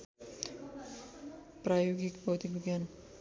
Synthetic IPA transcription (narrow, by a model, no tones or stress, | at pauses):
pɾajoɡikbowt̪ibiɡjan